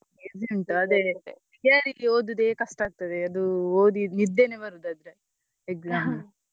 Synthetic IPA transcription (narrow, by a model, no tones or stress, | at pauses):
eɡd͡ʒemʈɐd̪e | aːɾioːd̪ud̪eːkɐsʈaːɡ̚t̪ɐd̪eɐd̪uoːd̪imid̪ːenebɐɾud̪ad̪ɾe | eɡzam